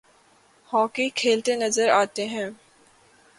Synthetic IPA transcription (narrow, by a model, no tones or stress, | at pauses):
hɔːkikʰeːlt̪enɐzəɾaːt̪eɦɛ̃ː